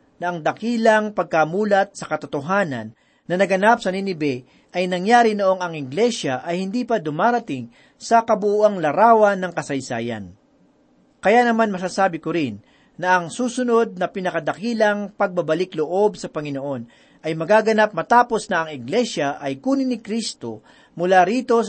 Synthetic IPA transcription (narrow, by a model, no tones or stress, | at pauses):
nɐʔɐŋd̪ɐkiːlɐŋpɐɡ̚kɐmuːlɐt̪̚sɐkɐt̪ot̪oɦaːnɐ̰nː | ɐnɐɡɐnap̚sɐninɪbɛ | ʔɐjnɐŋjaːɾinoʔo̞ŋɐŋɪɡlɛʃɐʔɐjhɪnd̪iːpɐd̪ʊmaːɾɐt̪ɪŋ | sɐkɐbʊʔuʔaŋlɐɾaːwɐnːɐŋkɐsɐjsa̰ːjɐ̰n | kɐjanɐmanmɐs̬aːsaːbɪkoɾɪnː | ɐʔɐŋsuːsʊno̞d̪̚nɐpɪnɐkɐd̪ɐkiːlɐŋpɐɡ̚bɐbɐlɪkloʔo̞b̚sɐpɐŋɪnoʔo̞n | ʔɐjmɐɡaːɡɐnap̚mɐt̪aːpo̞snɐɐŋɪɡlɛʃɐʔɐjkuːnɪnɪkɾist̪o̰ | mʊlaɾiːt̪o̞